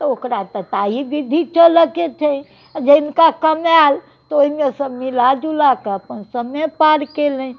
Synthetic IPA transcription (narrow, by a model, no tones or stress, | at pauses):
t̪ɔokɾat̪ət̪aibid̪ʱit͡ʃələket͡ʃʰɛ | d͡ʒeɪnkakəmal | t̪ɔoimesəbmilad͡ʒulakeəpənsəməjpaɾkelə̃